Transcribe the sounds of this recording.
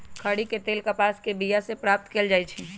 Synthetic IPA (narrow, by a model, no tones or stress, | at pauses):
kʰəɽiket̪eːlkapaːskebijasepɾaːp̚t̪keːld͡ʒaːit͡ʃʰi